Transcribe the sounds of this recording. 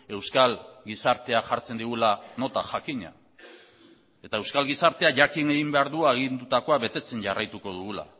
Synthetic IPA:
e̞wskalɡisaɾt̪e̞aʝaɾt͡se̞nd̪iɣulano̞t̪aʝakiɲa̰ | e̞t̪ae̞wskalɣisaɾt̪e̞aʝakine̞ɣimbe̞aɾðuaeɣind̪ut̪ako̞aβe̞t̪e̞t͡se̞ɲʝarajt̪uko̞ðuɣ̞ula̰

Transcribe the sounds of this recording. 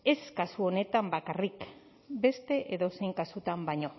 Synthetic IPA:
e̞skasuo̞ne̞t̪ambakarik | be̞st̪e̞ʔeðo̞se̞jŋkasut̪ambaɲo̞

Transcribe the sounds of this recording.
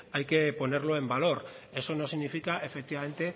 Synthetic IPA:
ajke̞po̞neɾlo̞embalo̞ɾ | e̞so̞no̞siɣnifikae̞fek̚t̪iβame̞nt̪e̞

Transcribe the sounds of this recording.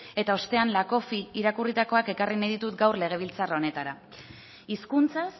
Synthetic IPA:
e̞t̪ao̞st̪e̞anlako̞fiiɾakurit̪ako̞ake̞karinajðit̪ut̪ɡawrle̞ɣ̞e̞β̞ilt͡sarone̞t̪aɾa | iskunt͡sas

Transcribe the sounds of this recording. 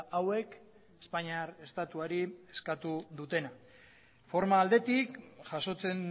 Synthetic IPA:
awe̞k | espaɲiaɾe̞st̪at̪uaɾie̞skat̪uðut̪e̞na | fo̞ɾmaːld̪e̞t̪ikʝaso̞t͡se̞n

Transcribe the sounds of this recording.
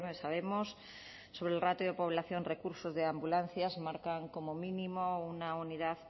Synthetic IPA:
mesaβ̞e̞mo̞sː | o̞βɾelrat̪oðepo̞β̞laθjo̞nre̞kuɾso̞zðeambulanθjazmaɾkaŋko̞mo̞mĩnimo̞unauniðað

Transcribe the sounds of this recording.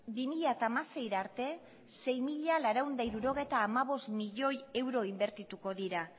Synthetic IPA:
bimiʎat̪aːmase̞jɾaɾt̪e̞ | se̞jmiʎalaɾawnd̪aiɾuɾo̞ɣ̞e̞jt̪aːmaβo̞st̪miʎo̞je̞wɾo̞imbe̞ɾt̪it̪uko̞ðiɾa

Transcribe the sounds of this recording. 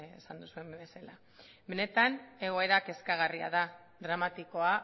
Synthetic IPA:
esand̪usue̞me̞sala | be̞ne̞t̪ane̞ɣ̞o̞e̞ɾake̞skaɣ̞aria̰ða | ðɾamat̪iko̞a

